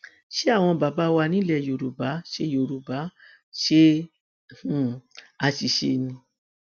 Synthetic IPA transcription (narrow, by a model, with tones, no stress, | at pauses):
ʃe˦a˦˨w̃ɔ̃˧ba˨ba˨˦wa˧nĩ˨˦lɛ˦˨jo˨ɾu˨ba˨˦ʃe˧˦jo˨ɾu˨ba˨˦ | ʃe˦˨ | a˧ʃi˨˧ʃḛ˧˦nĩ˧